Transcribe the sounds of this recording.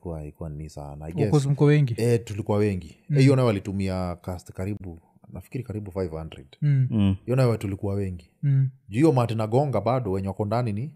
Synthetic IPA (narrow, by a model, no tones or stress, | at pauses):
kuwalikuwanisa̰naa̰jɡɛsɔzim̩kɔwɛŋɡiɛtulikuwawɛŋɡihijɔnawɛwalitumiakastkaɾiɓu | nafi̥kiɾikaɾiɓufajvhandɾɛ̰dhijɔnajɛɛtulikuwawɛŋɡiʄuijɔmatinaɡɔŋɡaɓaɗɔwɛɲɛwakɔndanini